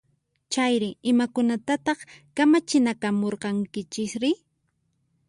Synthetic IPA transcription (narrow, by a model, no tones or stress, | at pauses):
t͡ʃajɾɪɪmakʊnat̪at̪ɑχkamat͡ʃɪnakamoɾqɑŋkɪt͡ʃɪkɾɪ